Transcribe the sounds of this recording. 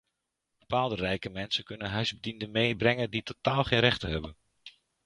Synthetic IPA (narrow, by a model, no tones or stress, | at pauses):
b̥əpaːlˠdərɛjkəmɛnsənkɵnənɦœɥzbədindənmejbrɛŋənditotaːlˠχejnrɛχtəɦɛbən